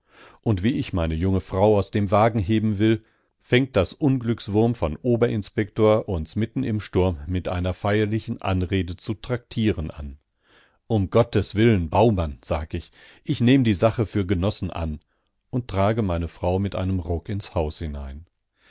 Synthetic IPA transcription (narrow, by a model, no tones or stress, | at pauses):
ʔʊntv̥iːɪçmaɪnəjʊŋəfʁ̥aʊaʊsd̥eːmvaːɡŋ̩ɦeːbm̩vɪl | fɛŋt̚d̥asʔʊnɡlʏksv̥ʊɐmfɔnʔoːbɐʔɪnspɛktoːɐʔʊnsmɪtn̩ɪmʃtʊɐmːɪtʔa̰ɪnɐfaɪɐlɪçn̩ʔa̰nʁeːdət͡sutʁ̥ak̚tʰiːʁənʔa̰n | ʔʊmɡɔtəsv̥ɪlənbaʊmanz̥aːɡəɪç | ʔɪçneːmədiːzaχəfyːɐɡənɔsn̩ʔa̰n | ʔʊnttʁ̥aːɡəmaɪnəfʁ̥aʊmɪtʔa̰ɪnəmʁɔkɪnshaʊshɪna̰ɪn